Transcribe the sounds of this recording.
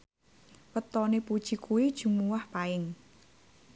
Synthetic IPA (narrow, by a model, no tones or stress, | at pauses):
wət̪ɔnipu̥t͡ʃikʰui̥d͡ʒ̥umuwahpaɪŋ